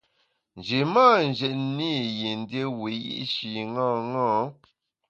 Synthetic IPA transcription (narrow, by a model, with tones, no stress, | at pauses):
n˨d͡ʒi˨maː˦˨n̩˨d͡ʒɛ˨tni˦˨je˨n˦de˦we˨˦jḭ˦ʔʃi˨ŋɔ̃˦˨ŋɔ̃ː˦